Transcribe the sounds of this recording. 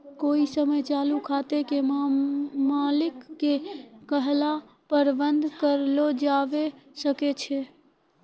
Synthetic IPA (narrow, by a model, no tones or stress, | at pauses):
koisəməjt͡ʃalukʰat̪ekem | malɪkːekəɦla | pəɾbənd̪ʱkəɾlod͡ʒaʋesəket͡ʃʰe